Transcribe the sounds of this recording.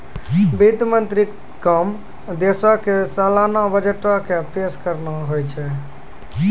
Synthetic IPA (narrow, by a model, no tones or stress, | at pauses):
bid̪mənt̪ɾi | kːəm | d̪esɔkesalanabəd͡ʒeʈɔkepeskəɾnaɦojt͡ʃʰɛ